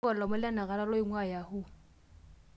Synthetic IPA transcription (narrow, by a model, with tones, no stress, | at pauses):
ɔ˨lɔ˨mʊ˦la˦na˨ɣa˨la˦lo˦ɪ˦ŋwa˦˨ja˨hʊ˦